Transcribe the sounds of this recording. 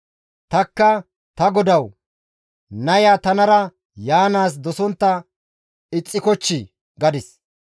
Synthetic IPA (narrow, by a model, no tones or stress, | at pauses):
t̪ɐkːɐ | t̪ɐɡɔd̪ɐw | nɐjaːt̪ɐnɐɾɐ | jaːnaːs̬d̪ɔsɔnt̪ːɐ | ɪt͡sʼːɪkɔt͡ʃːɪ | ɡɐd̪ɪs